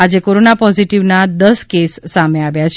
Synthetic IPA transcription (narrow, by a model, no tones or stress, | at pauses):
ad͡ʒekoɾonapɔziʈiʋnad̪əskesːameaʋjat͡ʃʰ